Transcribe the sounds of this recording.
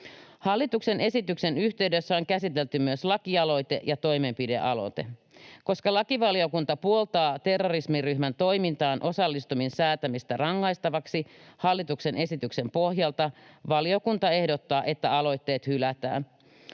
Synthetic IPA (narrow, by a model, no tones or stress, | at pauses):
hɑlːit̪ukse̞nʔe̞sit̪ykse̞nyçt̪eydø̞sːæo̞ŋkæsit̪e̞lt̪ymyøslɑkiɑlo̞jt̪e̞ʔjɑt̪o̞jme̞mpide̞̰ʔɑlo̞̰t̪e̞̰ | ko̞skɑlɑkiʋɑlio̞kunt̪ɑpuo̞lt̪ɑːt̪e̞rːorismiryçmænt̪o̞jmint̪ɑːnʔo̞sɑlːist̪uminsæːt̪æmist̪ærɑŋːɑjst̪ɑʋɑksihɑlːit̪ukse̞nʔe̞sit̪ykse̞mpo̞hjɑlt̪ɑʋɑlio̞kunt̪ɑe̞hdo̞t̪ːɑːʔet̪ːæɑlo̞jt̪ːe̞ːt̪hylæt̪æ̰ːn